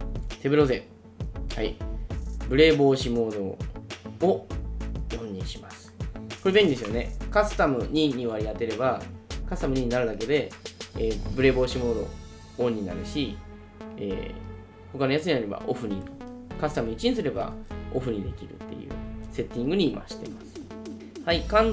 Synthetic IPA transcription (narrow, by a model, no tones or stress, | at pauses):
t̪e̞bɯ̟ɾo̞ːzẽ | hai | bɯ̟ɾe̞ːbo̞ːɕimo̞ːd̪o̞ | o | jõ̞ɲ̟ːĩɕimasɨ̥ko̞ɾebeɲ̟ʲid̪es̬ɨjone̞kasɨ̥t̪amɯ̟ɲ̟iɲ̟iβaɾʲiat̪e̞ɾe̞bakasɨ̥t̪amɯ̟ɲ̟iɲːinaɾɯ̟d̪ake̞d̪e̞eːbɯ̟ɾe̞ːbo̞ːɕimo̞ːd̪o̞̰ | oɲ̟ːina̰ɾɯ̟ɕi | ḛː | ho̞kano̞jasɨɲ̟inaɾe̞ba̰ʔo̞ɸɯ̟ɲ̟ʲikasɨ̥t̪amɯ̟it͡ɕiɲĩsɨɾe̞ba̰o̞̰ɸɯ̟ɲ̟id̪e̞̰kʲiɾɯ̟̰t̪ːe̞̰jɯ̟̰ːse̞t̪ʲːĩŋɡɯ̟ɲ̟iːmʔa̰ɕi̥t̪emasɨ̥ | haikãn